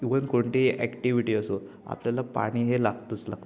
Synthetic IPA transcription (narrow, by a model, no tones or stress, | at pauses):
iʋənkoɳʈ̪eʔɛkʈiʋiʈiːəso | a̰pljalapa̰ɽ̃iːɦelaɡt̪ut͡sla̰ɡt̪